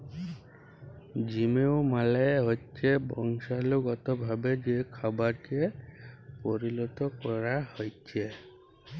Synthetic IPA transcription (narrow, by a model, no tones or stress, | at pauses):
d͡ʒimeomalɛɦot͡ʃʰebɔŋsaloɡɔt̪ɔbʱabed͡ʒekʰabaɾkiepoɾilɔt̪ɔkɔɾahojt͡ʃʰe